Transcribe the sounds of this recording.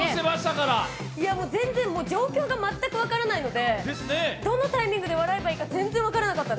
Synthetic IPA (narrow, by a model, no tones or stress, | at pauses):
semaɕi̥t̪akaɾa | iamo̞ːzẽ̞nd͡zẽ̞mmo̞ːd͡ʑo̞ːkʲo̞ːɡamat̪ːakɯ̟βakaɾanaino̞d̪e̞d̪esɨned̪o̞nːot̪aimʲĩŋɡɯ̟d̪e̞βaɾae̞baiːkad͡zẽ̞nd͡zẽakaɾanakat̪ːad̪